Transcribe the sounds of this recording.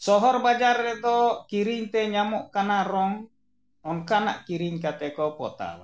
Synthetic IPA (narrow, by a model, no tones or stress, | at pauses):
sɔɦɔrbad͡ʒarːɛd̪ɔkiɾiɲt̪ɛɲamɔʔkanaɾɔŋ | ɔnkana̰ʔkiɾiɲk̬at̪ɛkɔpɔ̰t̪a̰l